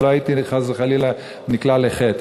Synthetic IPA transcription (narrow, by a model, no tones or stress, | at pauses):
loait̪iχazeχalila | niklaleχet̪